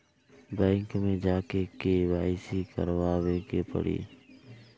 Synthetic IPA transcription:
bɛ̃ːŋkmẽːd͡ʒaːkekeʋaːɪsikə̰ɾʋaːweːkeːpə̰ɽḭː

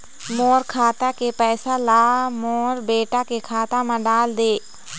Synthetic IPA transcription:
moːɾkʰaːt̪akepɛːsalaːmoːɾbeːʈakekʰaːt̪amãɖaːld̪eː

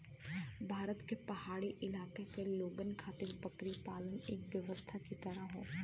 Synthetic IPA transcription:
bʱaːɾət̪kepɐhaːɽiʔɪlaːkekeloːɡənkʰaːt̪ɪɾbɐkɾipaːləneːkʋjɐʋəst̪ʰakit̪ɐɾaɦõ̰ː

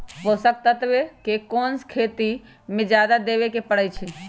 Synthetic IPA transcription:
posək̚t̪ət̪bekekonskʰet̪i | mẽd͡ʒjad̪ad̪eβekepəɽət͡ʃʰi

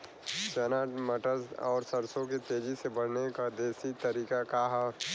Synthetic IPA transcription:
t͡ʃɛːnaːʈməʈəɾzɔ̰ːɾsəɾsõk̬et̪eːd͡ʒisebɐɽ̤nekad̪eːsit̪əɾiːkakaɦa

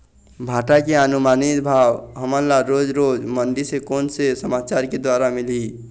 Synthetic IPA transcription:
bʱaːʈakeanʊmaːnit̪bʱaːwɦəmə̃laɾoːd͡ʒɾoːd͡ʒmə̃nɖ̪isekoːnsesəmaːt͡ʃaːɾked̪waːɾamɪli

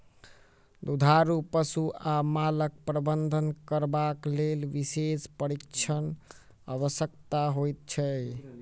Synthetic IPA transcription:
d̪ud̪ʱaɾupəsuamalək̚pɾəbənd̪ʱənkəɾbaklelʋisespəɾikt͡ʃʰən | ə̰βəsjəkt̪aɦojt̪̚t͡ʃʰɛ

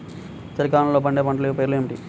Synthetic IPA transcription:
t͡ʃɐɾikaːnɐloːbɐɳɖeːpɐɳʈɐleupeːɾluemiʈḭ

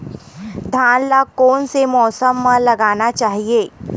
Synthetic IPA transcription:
d̪ʱãːnlakɔːnsemɔːsəmːãlɐɡaːnat͡ʃaːɦieː

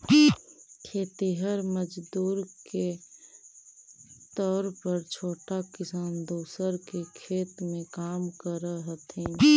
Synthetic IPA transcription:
kʰeːt̪iɦəɾməd͡ʒd̪uːɾke | t̪ɔːɾpəɾt͡ʃʰoːʈakɪsaːnd̪oːsəɾkekʰeːt̪mẽkaːmkəɾəɦət̪ɛ̃

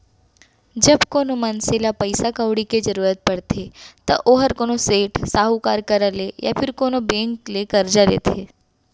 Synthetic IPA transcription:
d͡ʒɐbkoːnomɐnselapəɪsakəʋɽiked͡ʒɐɾuːɾət̪̚pɐɽt̪ʰet̪ɐ̰ʔoɦɐɾkoːnoseːʈʰsaːɦukaːɾkɐɾaleja̰pʰɪɾkoːnobẽːŋklekɐɾd͡ʒalḛːt̪ʰeː

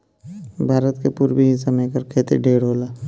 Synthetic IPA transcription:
bʱaːɾət̪kepuːɾbiɦɪsamẽːkəɾkʰeːt̪ḛɖeːɽɦoːlaː

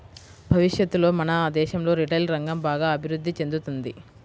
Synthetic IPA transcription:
bʱɐʋiʂjɐt̪ːulo̞ːmɐnɐːd̪ɛːʃɐmlo̞ːɾiʈɐjlɾɐŋɡɐmbaːɡaːɐbʱiɾud̪ːit͡ʃe̞nd̪ut̪und̪i

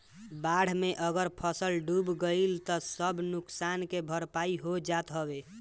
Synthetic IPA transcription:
baɽ̤meʔəɡəɾpʰəsəlɖubɡəilt̪ɔsəbnuksankebʱəɾpaiɦod͡ʒat̪ɦəbe

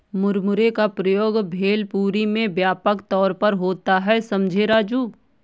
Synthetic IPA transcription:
mʊɾmʊɾekapɾəjoːɡbʱeːlpuːɾimẽbjaːpəkt̪ɔːɾpɐɾɦoːt̪aɦɛsɐmd͡ʒʱeɾaːd͡ʒuː

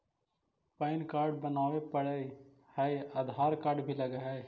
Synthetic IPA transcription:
pəɪnkaːɾɖ̚bənaːwepəɽe | hɛaːd̪ʱaːɾkaːɾɖbʱilɐɡeɦɛ

